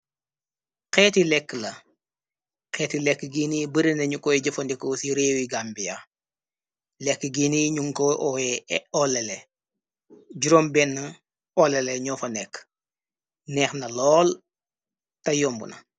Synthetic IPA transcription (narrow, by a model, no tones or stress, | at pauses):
qɛːtilɛkːəlɐ | qɛːtilɛkːəɡinibəɾinɐɲukɔjɟɐfɐndikɔsiɾeːwiɡambija | lɛkːəɡiniɲuŋkɔʔɔjɛɔlɛlɛ | ɟuɾombɛnːə | ɔlɛlɛɲɔfɐnɛkː | nɛːxnɐlɔːl | tɐjɔmbṵnɐ̰